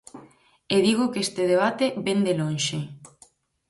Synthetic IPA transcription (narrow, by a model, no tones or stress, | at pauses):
eðiɣokest̪eðeβ̞at̪eβend̪elonʃe